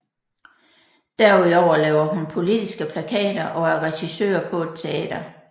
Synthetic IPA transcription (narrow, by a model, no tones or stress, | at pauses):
d̥æɐ̰uð̞ˠɒʊ̰ɐlɛːʊɐɦunpʰo̝lid̥isɡ̥əpʰlækʰɛ̰ːd̥ɐʔɒ̽æɐʁɛɕisø̰ːɐpʰɒ̽e̝d̥̚t͡sʰe̝ɛ̰ːd̥ɐ